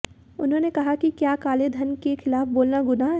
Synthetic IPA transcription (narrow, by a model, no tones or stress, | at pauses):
ʊnɦõːnekɐɦakikjaːkaːled̪ʱənkexʰɪlaːfboːlnaɡʊna